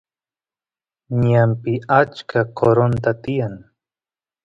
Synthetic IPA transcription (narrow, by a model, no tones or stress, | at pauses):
ɲampɪat͡ʃkʰakʰoɾont̪at̪ɪjaŋ